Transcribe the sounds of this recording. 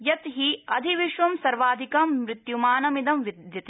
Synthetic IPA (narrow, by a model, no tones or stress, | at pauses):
jɐt̪ɦiɐd̪ʱiʋiʃʋɐmsɐɾʋaːd̪ʱikɐmːɾɪt̪jumaːnɐmid̪ɐmʋid̪jɐt̪i